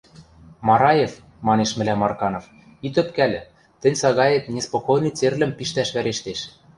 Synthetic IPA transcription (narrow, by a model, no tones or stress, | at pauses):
mɑɾɑjef | mɑneʃmɘ̆læmːɑrkɑnof | it̪ø̆pkæl̆ʲ | t̪ɘ̆nʲsɑɣɑjet̪nʲespokojnɤt͡serlɘ̆mpiʃt̪æʃβæɾeʃt̪eʃ